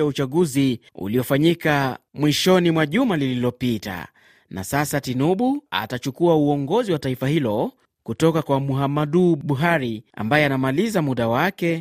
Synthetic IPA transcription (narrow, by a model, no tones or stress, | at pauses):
aut͡ʃaɠuzi | ṵliɔfaɲikamwiʃɔnimwaʄumalililɔpita̰ | na̰sasatinuɓua̰tat͡ʃukuauɔŋɡɔziwataifahilɔ | kutɔkakwamuɦamaɗuɓuɦaɾia̰mbajɛanamalizamuɗawakɛ